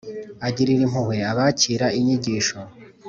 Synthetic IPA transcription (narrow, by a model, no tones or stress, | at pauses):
aɟiɾiɾim̥huhweaβaciɾaiɲiɟiːʃo